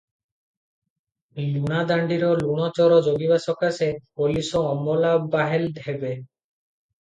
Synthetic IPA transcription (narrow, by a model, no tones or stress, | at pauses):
lunad̪aɳɖiɾɔluɽ̃ɔt͡ʃɔɾɔd͡ʑoɡibasɔkasepolisɔːmːɔlabaɦelɖʱebe